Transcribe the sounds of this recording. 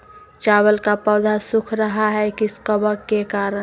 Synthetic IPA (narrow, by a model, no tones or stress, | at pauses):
t͡ʃaːwəlkapɔːd̪ʱasʊkʰɾəɦaɦɛkiskəbəkːekaːɾə